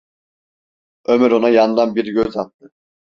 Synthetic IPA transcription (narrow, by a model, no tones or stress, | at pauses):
ømyɾonɑjɑnɯd̪ɑnbiɾiɡʲøzɑt̪ːɯ